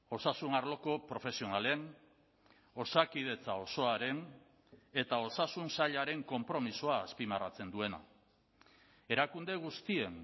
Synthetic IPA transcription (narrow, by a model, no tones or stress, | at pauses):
o̞sasunaɾlo̞ko̞pɾo̞fe̞sio̞nale̞n | o̞sakið̞e̞t͡sao̞so̞aɾe̞n | e̞t̪ao̞sasunsaʎaɾe̞ŋko̞mpɾo̞misoaːspimarat͡se̞nd̪ue̞na̰ | e̞ɾakund̪e̞ɣ̞ust̪ie̞n